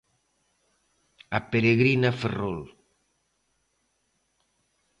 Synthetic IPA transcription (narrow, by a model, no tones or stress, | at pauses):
apeɾeɣɾinaferol